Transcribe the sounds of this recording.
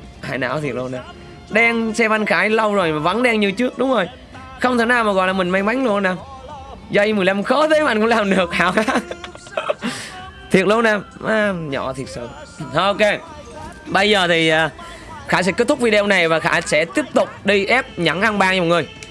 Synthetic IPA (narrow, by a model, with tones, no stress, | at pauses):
ha̰ː˧˩jna̰ː˧˥wt̪ʰi˨˩ək̚lo˧naː˨˩m | ɗɛ˧nsɛ˧va˧nxaː˧˦jlə˧wzo˨˩jmaː˨˩va̰˧˥˦nɗɛ˧ŋɲi˧t͡ɕɨ˦˥ək̚ɗʊ˨˦ŋ͡mzo˨˩j | xə˧ŋ͡mt̪ʰə˨˧˩naː˧˩wmaː˨˩ɣɔ̰˧˨jlaː˨˩mï˨˩ŋ̟ma˧jma˨˦jŋ̟lo˧naː˧˩mzɔ˧i˧m˨˩jla˧mxɔ˧˦t̪ʰə˨˦ɓa̰ː˧˨nkʊ˧˥laː˨˩mɗɨ˨˩ək̚haː˧˩wxaː˧˦˥ | t̪ʰi˨˩ət̚lo˧naː˧˩mʔaː˧˩ɲɔ̰˧˩t̪ʰi˨˩ət̚sə̰ː˧˦˧ | ʔo˧ke˧ | ɓə˧jzəː˨˩t̪ʰi˨˩ʔəː˨˩ | xaː˧˥˩sɛ̰˧˥kt̚t̪ʰʊ˦˥k̚vi˧ɗe˧˨˧wna˨˩jvaː˨˩xa̰ː˧˥sɛ̰˧˥t̪i˦˥əp̚t̪ʊ˨˩k͡p̚ɗi˧ʔɛ˦˥p̚ɲa˧˦ŋʔa˧ŋɓaː˧˩ŋɲ̚˧˨˩ŋɨ˨˩j